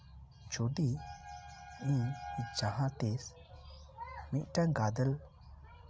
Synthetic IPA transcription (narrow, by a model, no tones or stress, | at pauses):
d͡ʒoɖi | ĩd͡ʒaɦãt̪es | miʔ̪ʈaɡad̪əl